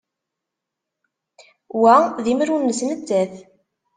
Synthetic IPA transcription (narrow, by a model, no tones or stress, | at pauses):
wæðiməɾunːəsnət͡sːæθ